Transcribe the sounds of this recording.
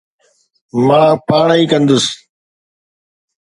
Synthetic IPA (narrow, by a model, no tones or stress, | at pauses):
mãːpaːɳaiːkə̃nd̪ʊs